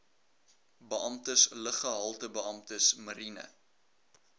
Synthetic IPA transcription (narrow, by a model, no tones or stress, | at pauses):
bəʔɐmtəsləχəɦɐlˠtəbəɐmtəsməɾinə̰